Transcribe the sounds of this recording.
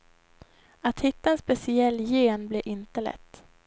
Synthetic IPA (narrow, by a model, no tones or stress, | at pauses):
at̪hɪt̪ːaɛnspɛsɪɛlːjeːnblɛːɾʔɪnt̪əlɛ̰t̪ː